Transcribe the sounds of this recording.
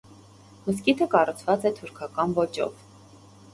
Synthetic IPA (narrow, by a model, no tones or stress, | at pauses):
məskit̪ʰəkɑrut͡sʰvɑt͡sɛt̪ʰuɾkʰɑkɑnvɔt͡ʃɔ̰v